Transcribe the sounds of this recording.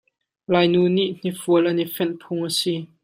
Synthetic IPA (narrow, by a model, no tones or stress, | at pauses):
laːjnuːniʔn̥ifuəlʔɐnifɛnpʰʊŋʔasi